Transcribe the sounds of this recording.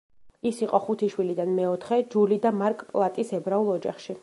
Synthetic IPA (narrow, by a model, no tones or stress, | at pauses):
isiqʼɔχut̪ʰiʃwilid̪anmɛɔt̪ʰχɛd͡ʒulid̪amaɾkʼpʼlˠat̪ʼisɛbɾaulˠɔd͡ʒa̰χʃi